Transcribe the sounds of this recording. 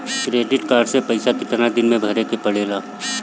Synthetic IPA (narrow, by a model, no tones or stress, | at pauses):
kɾeːɖɪʈkaːɾɖsepɐɪsakɪt̪nad̪ɪnmẽbʱɐɾekepɐɽeːlaː